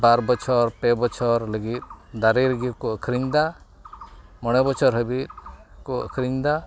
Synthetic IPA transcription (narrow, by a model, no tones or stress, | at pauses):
baɾbɔt͡ʃʰɔɾpɛbɔt͡ʃʰɔɾləɡit̪̚d̪aɾiɾəɡit̪̚kɔʔəkʰɾiɲd̪a | mɔɽ̃ɛbɔt͡ʃʰɔɾɦəbit̪̚kuə̰kʰɾiɲd̪a